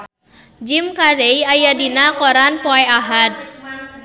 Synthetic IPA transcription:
d͡ʒimkaɾejajadinakɔɾanpɔɛaɦat̪̚

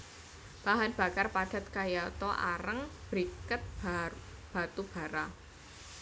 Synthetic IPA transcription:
b̥aɦanb̥a̤karpad̥a̤t̪̚kajat̪ɔʔa̰ɾəŋb̥ɾikət̪̚ | b̥a̤t̪ub̥a̤ɾa

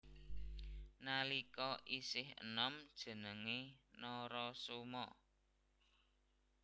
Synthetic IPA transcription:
nalikɔʔisɪhə̰nɔmd̥ʒ̥ə̤nəŋenɔɾɔsomɔ̰

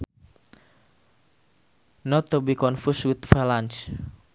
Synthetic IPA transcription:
nɔt̪ːubikɔnfuswɪt̪fɛlant͡ʃ

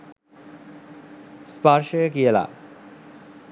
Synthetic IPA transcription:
spaɾʃoekiela̰

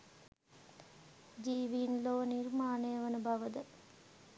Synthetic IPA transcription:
d͡ʒiːʋiːnloːniɾmaːneːʋɐnubʱɐʋɐd̪ɐ

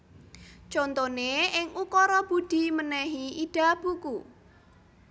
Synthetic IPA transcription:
t͡ʃont̪oneɪŋukɔɾɔb̥ṳɖ̥i̤mənɛɦiʔiɖ̥a̤b̥uku

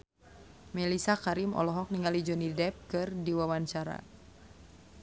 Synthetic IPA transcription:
mɛlisakaɾimɔ̰lɔɦɔk̚niŋalid͡ʒɔnidɛp̚kɨrdiwawant͡ʃaɾa̰

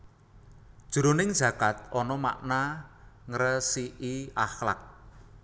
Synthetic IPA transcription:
d̥ʒ̥uɾonɪŋd̥ʒ̥ä̤kat̪̚ɔnɔma̰ʔnaŋəɾəsiʔiaxla̰k̚

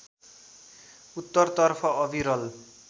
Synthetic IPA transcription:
ut̪ːʌrt̪ʌrpʰʌʌbʱiɾʌl

